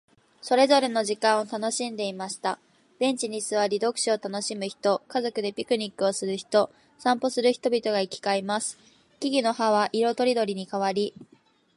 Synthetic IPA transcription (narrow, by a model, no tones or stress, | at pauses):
so̞ɾe̞zo̞ɾe̞no̞ʑikãɰ̃ot̪ano̞ɕĩnd̪e̞imaɕi̥t̪a | b̥ẽ̞ɲ̟t͡ɕiɲ̟isɨβaɾʲid̪o̞kɯ̟̥ɕio̞t̪ano̞ɕimɯçi̥t̪o̞kazo̞kɯ̟d̪e̞pʲikɯ̟ɲ̟ikːɯ̟o̞sɨɾɯ̟çi̥t̪o̞ | sãmpo̞sɨɾɯ̟çi̥t̪o̞bʲit̪o̞ɡaikʲi̥kaimasɨ̥ | kʲiɡʲino̞haβaʔiɾo̞t̪o̞ɾʲid̪o̞ɾʲiɲ̟ikaβaɾʲi